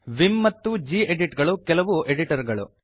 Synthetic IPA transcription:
ʋimːɐt̪ːud͡ʒiːeɖiʈɡɐɭukɛlɐʋuʔeɖiʈɐɾɡɐɭṵ

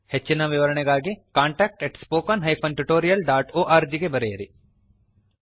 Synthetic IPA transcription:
het͡ʃːinaʋɪʋɐɾɐɳeɡaːɡekãːɳʈɛːk̚ʈɛʈspoːkɐnɦɐjpʰɐ̃nʈuʈoːɾijɐlɖaːʈoːʔaːɾd͡ʒiɡebɐɾeːɾi

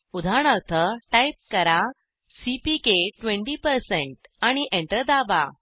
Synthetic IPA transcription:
ud̪ʱaɳ̃əɾt̪ʰəʈajp̚kəɾa | sipikeʈʋẽɳʈipəɾseɳʈaɽ̃iʔeɳʈəɾd̪aʋa̰

